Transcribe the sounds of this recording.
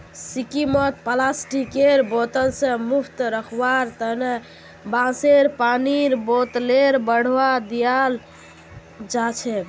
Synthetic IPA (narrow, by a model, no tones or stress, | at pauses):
sikimət̪pəlasʈikeɾbot̪əlsẽmupʰt̪ɾəkʰbaɾt̪əɦne | bãseɾpaniɾbot̪leɾbəɽ̤ʋad̪ijal | d͡ʒat͡ʃʰɛ